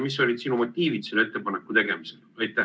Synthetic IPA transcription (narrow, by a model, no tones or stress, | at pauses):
mis̬ːo̞lʲid̪sinumot̪ʲːiːvit̪sile̞t̪ˑːe̞pɑnekːˑut̪e̞ɡ̥e̞miselɑjt̪ːˑæ